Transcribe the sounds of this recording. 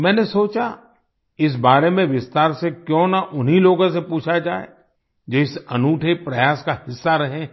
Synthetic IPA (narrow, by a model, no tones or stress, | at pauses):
mɛ̃ːnesoːt͡ʃa | ɪs̬baːɾemẽʋɪst̪aːɾsekjõnaʔʊnɦiloːɡõsepuːt͡ʃʰad͡ʒaːḛ | d͡ʒoɪsɐnuːʈʰepɾɐjaːskahɪsːaɾɐɦẽ